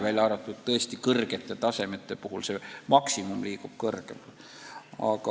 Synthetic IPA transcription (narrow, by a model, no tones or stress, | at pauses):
vælʲɑɾɑt̪ːˑud̪̥̚t̪ɤest̪ikɤrɡ̥e̞t̪ːˑe̞t̪ɑse̞met̪ːˑe̞puɦulse̞mɑksimumliːɡ̥ub̥̚kɤrɡ̥ḛmt̪ | ɑ̰kɑ